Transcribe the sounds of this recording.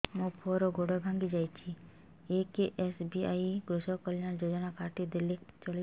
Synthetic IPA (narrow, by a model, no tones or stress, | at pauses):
mũpʰɔɾoɡʱoɽɔbʱãŋɡid͡ʒaːjt͡ʃʰi | ekeʔesbiaiɡɾusɔkəlɪjand͡ʒod͡ʒnakaʈid̪elit͡ʃɔli